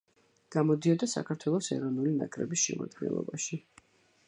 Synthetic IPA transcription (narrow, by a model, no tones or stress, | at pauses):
ɡ̥amɔd̪iɔd̪asa̰kʰaɾt̪ʰwɛlˠɔsɛɾɔnulinakʼɾɛbisʃɛma̰d̪ɡɛnlˠɔ̰baʃi